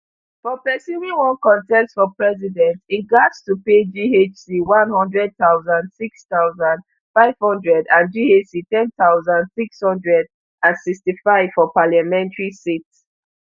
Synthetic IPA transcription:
fɔpɛsjuvĩŋwɔ̃nkɔ̃ntɛstfɔpɹɛzidɛ̃ntitɡadstuped͡ʒiet͡ʃsiwãnhɔ̃ndɹɛd̚t̪aʊzãndsikstaʊzãnd | faɪv̥hɔ̃ndɹɛdãnd͡ʒiesitɛ̃nθaʊzãndsikshɔ̃ndɹɛd | ãnsikstifaɪv̥fɔpaljamɛ̃ntəɹisits

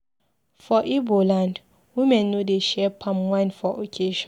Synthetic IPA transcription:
fɔʔibolãnd | wĩmɛ̃nːodeʃɛpʰãmwãnfɔʔokʰeʃɔ̃n

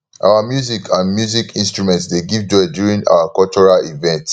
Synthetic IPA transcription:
ʔa̰ʊamjuzikʰãnmjuzikĩnstɹumɛ̃ntsdeɡivd͡ʒɔdjuɹĩŋa̰wakɔlt͡ʃɔɹalivɛ̃nt

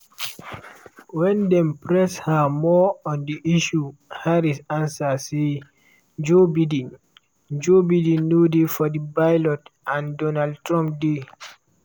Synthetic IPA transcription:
wɛ̃ndɛ̃mpɹɛshamɔɔ̃ndiʔiʃuhaɹisãnsase | d͡ʒobidĩn | d͡ʒobidĩnːudefɔdibajlɔtãndɔnaldtɹɔ̃mp̚de

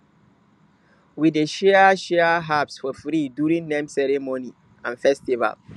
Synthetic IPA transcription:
wideʃɛʃɛaɦapsfɔfɾiduɾĩŋnẽmsɛɾɛmoni | ãnfɛstiva̰l

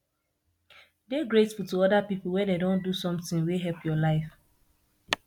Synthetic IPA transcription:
deɡɹetfutuɔdapipl̩wɛ̃dedõndusɔ̃mtĩŋweɦɛlpʰjɔlaɪf

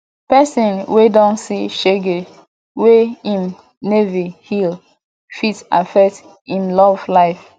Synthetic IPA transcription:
pɛsĩnwedɔ̃nsiʃeɡe | weĩn | nevihil | fitsa̰fɛk̚t | ĩnlɔvlaɪf

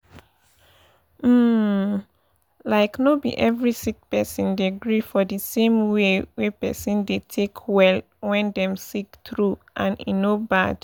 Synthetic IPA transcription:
m̩ | laɪknobḭʔɛvɹisik̚pɛsɔ̃ndeɡɹifɔdəsẽmwewɛpɛsɔ̃ndetʰekʰwɛl | wɛ̃ndɛ̃msiktɹuʔãnḭnobad̥

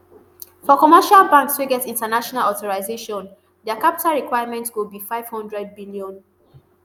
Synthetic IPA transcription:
fɔkɔmɛʃalbãŋkstuɡɛtĩntanaʃɔnalɔtɔɹaɪzeʃɔ̃n | dɛkapi̥taɹikwaɪamɛ̃ntwilbifaɪv̥hɔ̃ndɹɛd̚biliɔ̃n

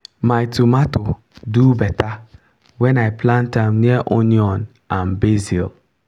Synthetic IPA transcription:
majtumato | dubɛta | wɛ̃najpʰlãntãmniaʔõniɔ̃n | ãnbezil

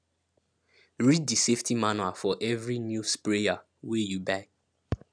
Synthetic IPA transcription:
ɹiddiseftʰimanwafɔʔɛvɹinjuspɹea | wejubaɪ

